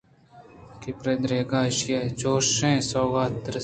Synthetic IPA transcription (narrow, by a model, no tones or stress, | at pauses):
kipɾed̪ɾeːɡaːʃjet͡ʃoːʃẽːsoːɡaːt̪ːɾ